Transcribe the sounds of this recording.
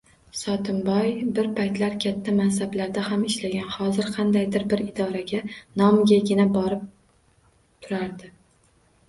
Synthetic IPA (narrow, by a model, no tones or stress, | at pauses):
sɒt̪ʰɪmbɒjbɪɾpʰajt̪laɾkʲʰat̪ʰːamansablaɾd̪ahamɪʃlaɡʲanhɒzɪɾqʰɑnd̪ajd̪ɪɾbɪɾɪd̪ɒɾaɡʲanɒmɡʲaɡʲɪnabɒɾɪp̚ | t̪ʰʊɾaɾd̪ɪ